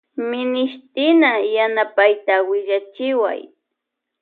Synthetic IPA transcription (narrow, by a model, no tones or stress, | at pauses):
mɪnɪʃt̪ɪnajanapajt̪awɪʎat͡ʃɪwa̰j